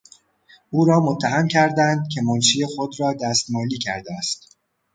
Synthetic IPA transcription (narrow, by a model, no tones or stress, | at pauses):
uːɾɒːmot̪ʰːæɦæmcʰæɾd̪ænd̪̚cʰe̞monʃiːjexo̞d̪ɾɒːd̪æst̪mɒːliːcʰæ̰ɾd̪eæst̪